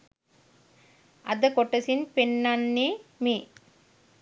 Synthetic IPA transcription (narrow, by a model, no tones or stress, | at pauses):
ʔɐd̪ɐkɔʈːɐsinpenːɐnːimi